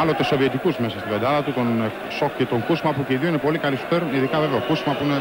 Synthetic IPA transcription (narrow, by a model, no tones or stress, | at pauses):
ɐlot̪esoviet̪ikuzmesɐst̪ivɐd̪ɐlɐt̪ut̪on | sokcet̪oŋkusmɐpuceiðioinepo̞likɐlisu̥p̪eɾniðikɐveveokusmɐpuine